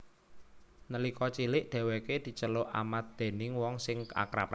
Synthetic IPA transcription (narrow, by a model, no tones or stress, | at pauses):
nəlikɔt͡ʃilɪʔɖ̪̥ɛ̤weked̪̥i̤t͡ʃəlʊʔa̰mat̪̚d̪̥e̤nɪŋwɔŋsɪŋka̰kɾa̰pa